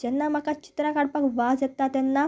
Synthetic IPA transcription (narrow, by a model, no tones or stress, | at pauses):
d͡ʒɛnːamakat͡ɕi̥t̪ɾãkaɽpakʋazɛt̪ːat̪ɛnːa